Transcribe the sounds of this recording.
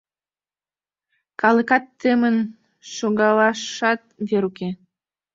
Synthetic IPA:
kɑləkɑt̪ːemən | ʃoɣɑlɑʃɑt̪̚veɾuke

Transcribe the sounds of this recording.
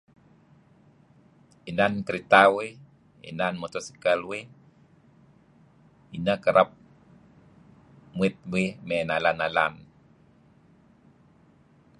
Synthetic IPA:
inankəɾit̪awe | ḭnanmɔt̪ɔsi̥kalwe | inakəɾʔap̚ | muɪt̪̚wimɛnalanalan

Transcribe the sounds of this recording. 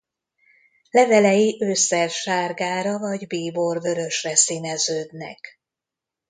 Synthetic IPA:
lɛvɛlɛjiʔøːsːɛrʃaːrɡaːɾɒvɒɟbiːborvø̞ɾø̞ʃrɛsinɛzøːd̪nɛ̰k

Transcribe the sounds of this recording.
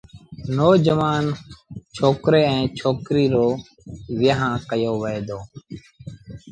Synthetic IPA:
noːd͡ʒəʋaːnt͡ʃʰoːkɾeːɛ̃ːt͡ʃʰoːkɾiːɾoː | ʋɪjəɦãːkəjoːʋeːd̪oː

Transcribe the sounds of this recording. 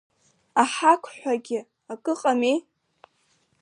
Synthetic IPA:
aħakʷʰħᶣʷaɡʲɪ | akʼɨqʼami

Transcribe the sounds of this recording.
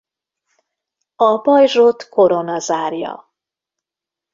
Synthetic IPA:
ɒbɒjʒot̪ko̞ɾonɒzaːrjɒ̰

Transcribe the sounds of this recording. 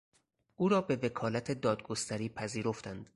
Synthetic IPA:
ʔuːɾɒːbe̞ve̞kʰɒːlæt̪ʰe̞d̪ɒːd̪̚ɡo̞st̪æɾiːpʰæziːɾo̞ft̪ænd̪̥

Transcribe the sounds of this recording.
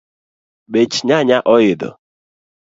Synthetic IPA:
ɓet͡ʃiɲaɲaʔɔjɪdɔ̰

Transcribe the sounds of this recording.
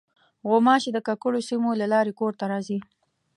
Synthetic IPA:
ɣomɑʃed̪əkakʊɽosimolalɑɾekoɾt̪aɾɑzi

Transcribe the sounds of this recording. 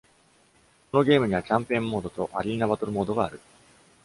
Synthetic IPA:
ko̞no̞ɡʲe̞ːmɯ̟ɲ̟iβakʲãmpeẽmːo̞ːd̪o̞t̪o̞ʔaɾʲiːnabat̪o̞ɾɯ̟mo̞ːd̪o̞ɡaːɾɯ̟

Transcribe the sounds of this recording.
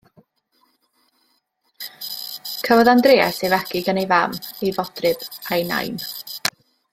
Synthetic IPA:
kʰəvɔðandreːɛsevɛɡɪɡənejvamejvɔd̥rɨbajna̰jn

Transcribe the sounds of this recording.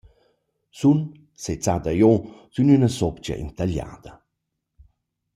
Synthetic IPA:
sun | set͡sad̪ajɔz̥ynynəsɔpt͡ʃa̰ʔḭnt̪aʎa̰ːd̪ə

